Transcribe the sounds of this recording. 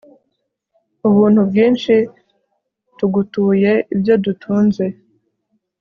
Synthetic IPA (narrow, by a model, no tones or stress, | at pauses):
uβuːn̥hubɡiːnʃi | tuɡutuːje̞ibjo̞dutʰuːnze̞